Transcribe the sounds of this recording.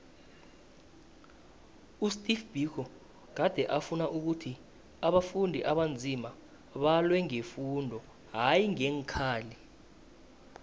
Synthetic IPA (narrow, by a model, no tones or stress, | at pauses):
ustʼifb̥ʱikʰɔ | k̬ad̥ʱɛʔafunaʔuk̬utʰi | aɓafundʱiʔaɓand͡zʱima | ɓalwɛŋefundʱɔ | ɦajiŋɛŋkʰaːli